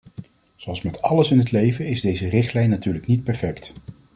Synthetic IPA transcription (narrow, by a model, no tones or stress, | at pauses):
z̥oɑlˠsmɛtɑləsɪnɦətlejvəɪzdejzərɪχtlɛjnːatyːɹləknit̚pɛɹfɛkt